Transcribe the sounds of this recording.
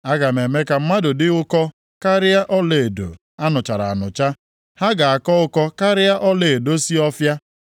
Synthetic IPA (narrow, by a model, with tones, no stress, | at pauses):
a˦ɡa˨me˨me˦ka˨m̩˦ma˦dʊ˨dɪ˦ʊ˦kɔ˦ | ka˦ɾɪ˦a˦ʔɔ˦le˨do̰˨ | a˦nʊ˨t͡ʃa˨ɾa˨a̰˨nʊ̰˨t͡ʃa˦ | ha˦ɡa˨a˨kɔ˦ʊ˦kɔ˦ka˦ɾɪ˦a˦ʔɔ˦le˨e˨do˦si˦ɔ˦fja˦